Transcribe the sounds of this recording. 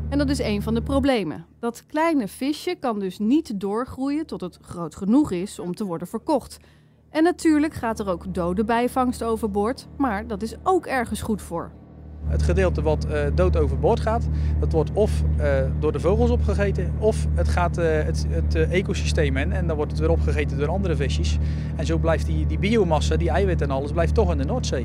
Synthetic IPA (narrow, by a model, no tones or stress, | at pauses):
ɛndɑtɪsejnvɑndəprowblejmə̰d̥ɑtklɛjnəv̥ɪʃəkɑndɵsnitdʊːɹχrujətɔtɦətχrowtχənuχɪsɔmtəʋɔɹdənv̥əɹkɔχt | ʔɛnːatyːɹləkχaːtɛrowkdowdəbɛjvɑŋstowvəɹbɔɹtmaːɹdɑtɪsowkɛɹχənsχutfʊ̰ːɹ | ətχədɪːlˠtəʋɑtdowtowvərbʊɹtχaːtdɑtʋɔɹtɔfdʊːrdəvowχəlˠsɔpχəχejtə | ɔfətχaːtət | ətejkosistejmɛnɛndɔnʋɔɹtətʋɪɾˠɔpχəχejtəndʊːɾɑndəɾəvɪsjəs | ɛnzowblɛjftidibiowmɑsadiɛjʋɪtɛnɑləzblɛjftɔχɪndənoːɹtsej